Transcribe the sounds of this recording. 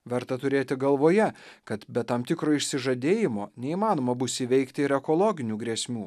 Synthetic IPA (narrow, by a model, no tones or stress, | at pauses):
ʋʲɛɾt̪ɐt̪ʊɾʲeːt̪ʲɪɡɐlˠʋoːjɛkɐt̪bʲɛt̪ɐmt̪ʲɪkɾoːɪʃʲsʲɪʒɐd̪ʲeːjɪmoːnʲɛiːmɑːnoːmɐbʊsʲiʋʲɛɪkt̪ʲɪɪɾɛkolˠɔːɡʲɪnʲuːɡɾʲeːsʲmʲuː